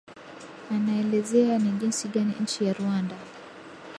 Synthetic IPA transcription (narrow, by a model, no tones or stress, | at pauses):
anaɛlɛzɛaniʄinsiɠanḭɲ̩t͡ʃijaɾuanda